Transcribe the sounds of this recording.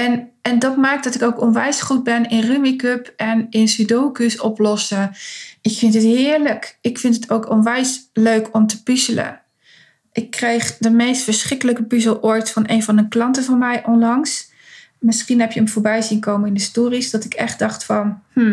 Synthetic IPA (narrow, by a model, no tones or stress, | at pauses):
ɛnɛndɑtmɛɹk̚dɑtɪkowkɔnʋɛjsχud̚bɛnɪnrymikøpɛnɪnsydowkysɔ̰plɔsəɪkfɪntɦətɦɪːɹləkɪkfɪntətowkɔnʋɛjsløɥkʰɔmtəpyzələ̰ | ʔɪkːrejχdəmejstfəɹsχɪkələkəpyzəlˠʔoɹtfɑnejnvɑnənklɑntəvɑnmɛjʔɔnlɑŋs | mɪsχinɦɛpjəəmv̥ʊːɹbɛjzinkowməɪndəstoːrisdɑtɪkɛχd̚d̥ɑχtfɑnmm̩